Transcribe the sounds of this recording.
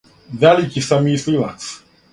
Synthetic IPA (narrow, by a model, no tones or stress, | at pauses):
vælikisamislila̰s